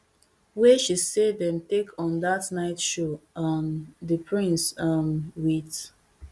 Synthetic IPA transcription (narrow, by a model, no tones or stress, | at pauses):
weʃisedɛ̃mtekʰɔ̃ndatnaɪtʃoʌmdəpʰɹĩnsʌmwit